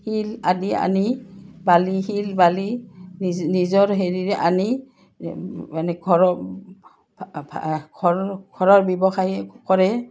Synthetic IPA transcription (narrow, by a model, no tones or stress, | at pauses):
hiladia̰nibaliɦilbali | nizɔɹɦeɹiɹɛʔani | anɛɡʰʱɔɹɔ | ɡʰʱɔɡ̥ʰʱɔɹɔɹbɛbɔxajkɔɹɛ